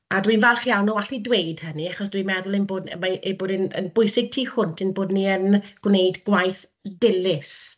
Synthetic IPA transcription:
adwinvɛlˠχjawnɔaɬidwejd̥həniaχɔs̬d̥winmɛðʊlˠɪnboːdmaʔeboːdɪnə̰nbʊjsɪɡ̚tʰiːhʊntʰɪnboːdniənɡ̥wnejdɡwajθ | dɪlɪs

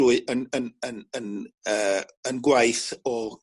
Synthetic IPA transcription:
uɨənənənənəː | ənɡwajθɔ

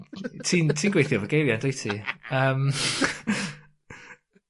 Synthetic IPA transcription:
tʰiːntʰiːnɡwejθiɔvəɡejvjandejtʰiəm

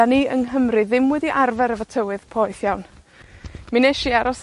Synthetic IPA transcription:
aniːəŋɦəmrɨðɪmwɛdiʔarvɛɾəvətʰəwɨð̥pʰɔɨθjawn | mineʃiaɾɔs

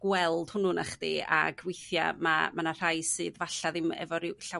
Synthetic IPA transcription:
ɡ̥wɛlˠd̥hʊnunaχd̥ḭa̰ɡwejθja̰mamanar̥ajsɨːðvaɬaðɪmɛ̰vɔɾɪɬa

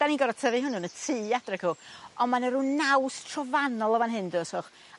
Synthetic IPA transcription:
d̥aniɡɔɾɔtʰəvɨɦʊnunətʰiːadrɛɡʊɔnmanəɾunːawstʰrɔvanɔlˠəvanɦɨndəsɔχ

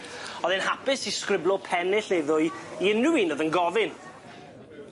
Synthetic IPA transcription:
ɔðɛnhapɪsiskɾɪblˠɔpʰɛnɪɬeðʊjiɪnuwinɔðənɡɔvɪn

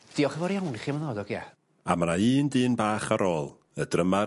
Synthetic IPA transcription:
d̥iːɔχəvɔɾjawniχimənɔːdɔɡja | a̰manaiːndiːnbaːχaɾoːlˠ | ədrəma

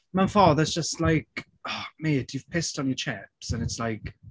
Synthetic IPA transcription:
maɪfɑːðəzd͡ʒəstˡlaɪk | ɔmeːd̥juv̥pʰɪstn̩jət͡ʃʰɛpsə̃nɪtslaɪk

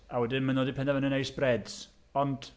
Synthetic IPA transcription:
awɛdɨnmanoːdipʰɛndavənənejsb̥rɛds | ɔnd̥

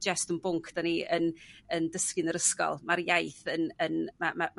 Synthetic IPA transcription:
d͡ʒɛstənbʊŋkʰd̥aniənəndəskɨnəɾəskɔ̰lˠmaɾjajθənənmamam

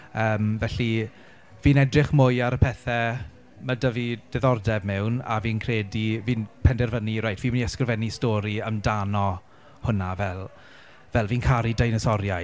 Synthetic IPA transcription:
əːmvɛɬi | viːnɛdrɪχmʊjaɾəpʰɛθɛ | mədəvid̥ɛðɔrdɛbmɛwna̰viːnkʰreːdiviːnpʰɛndɛrvəniɾajtʰviːməniɛskrəvɛnistoːɾiəmdanɔ | hʊnavɛlˠ | vɛlˠviːnkʰaɾidajnɔsɔɾja

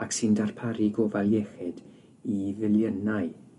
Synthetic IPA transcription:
aksɪndarpʰaɾiɡɔvalˠjɛxɛd̥ | ivɪljənaɨ

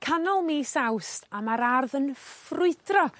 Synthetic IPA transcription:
kʰanɔlˠmiːsawstʰamaɾarðənfrʊɨdrɔ

